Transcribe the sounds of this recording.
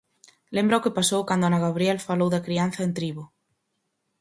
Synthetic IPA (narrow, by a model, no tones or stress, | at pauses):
lembɾaokepasowkand̪ʊanaɣaβ̞ɾielfalowðakɾianθaent̪ɾiβo